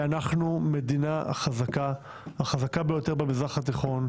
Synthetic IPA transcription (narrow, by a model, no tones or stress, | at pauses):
anaχnume̞d̪ina̰χazaka | haχazakabe̞jo̞te̞ʁbemizʁaχat̪iχo̞n